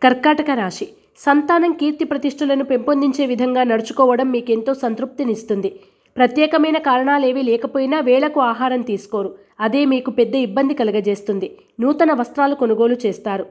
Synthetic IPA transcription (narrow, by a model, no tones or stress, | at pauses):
kɐɾkaːʈɐkɐɾaːʂi | sɐnt̪aːnɐŋkiːɾt̪ipɾɐt̪iʂʈulɐnupempond̪iɲt͡ʃe̞ːʋid̪ʱɐŋɡaːnɐɽut͡ʃu̥kɔːʋɐɽɐmːiːke̞nt̪o̞ːsɐnt̪ɾup̚t̪inist̪und̪i | pɾɐt̪jɛːkɐmɐjnɐkaːɾɐɳaːle̞ːʋilɛːkɐpoːjinaːʋɛːɭɐkuaːɦaːɾɐmt̪iːsu̥koːɾu | ɐd̪eːmiːkupɛd̪ːɐibːɐnd̪ikɐlɐɡɐd͡ʒe̞ːst̪und̪i | nuːt̪ɐnɐʋɐst̪ɾaːluko̞nuɡo̞ːlut͡ʃɛːst̪aːɾu